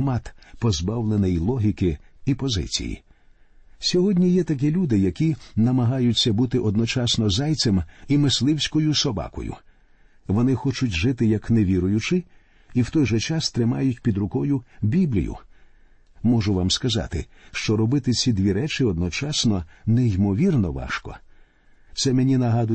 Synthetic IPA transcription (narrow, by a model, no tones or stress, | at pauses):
mat̪pɔzbawlˠenɛjlˠɔɦʲikɪipɔzɪ̰t͡sʲḭjḭ | sʲɔɦɔdʲnʲijɛt̪ɐk̬ilʲud̪ɪjɐkʲinɐmɐɦajʊt͡sʲːɐbut̪ɪʔɔd̪nɔt͡ʃasnɔzaj̪semimɪslˠɪwsʲkɔjʊsɔbɑ̰kɔ̰jʊ̰ | ʋɔnɪxɔt͡ʃʊtʲʒɪt̪ɪjɐkneʋʲiɾʊjʊt͡ʃɪ | iwt̪ɔjʒɛt͡ʃɑst̪ɾɪmɑ̰jʊtʲpʲid̪ɾʊkɔjʊbʲiblʲḭjʊ̰ | mɔʒʊʋamskɐzɑ̰t̪ɪ̰ | ʃt͡ʃɔɾɔbɪt̪ɪt͡sʲid̪ʲʋʲiɾɛt͡ʃɪɔd̪nɔt͡ʃɑsnɔnɛimɔʋʲirnɔʋɑ̰ʃkɔ̰ | t̪sɛmenʲinɐɦɑd̪ʊ